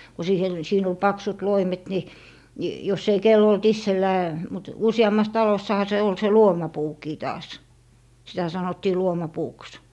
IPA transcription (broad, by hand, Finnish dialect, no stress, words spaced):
ko siːhe siːn ol pɑksut loimet ni ni jos ei kelː olt isːelːæː mut usiɑmːɑs tɑlosːɑhɑ se ol se luomɑpuːkiː tɑːs sitæ sɑnotːiː luomɑpuːks